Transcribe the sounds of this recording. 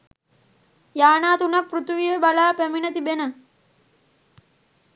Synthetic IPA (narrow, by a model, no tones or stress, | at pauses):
jaːnaːt̪unak̚prut̪uʋijəbalaːpæminət̪ibenə